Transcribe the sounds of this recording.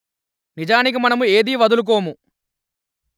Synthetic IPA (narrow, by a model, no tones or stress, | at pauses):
nid͡ʒaːnik̬imɐnɐmue̞ːd̪iːʋɐd̪uluk̬o̞ːmu